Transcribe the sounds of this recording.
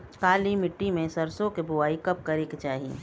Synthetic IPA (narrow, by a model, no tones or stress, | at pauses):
kaːlimɪʈːimẽsɐɾsõkebʊaːikɐp̚kɐɾeket͡ʃaːɦḭ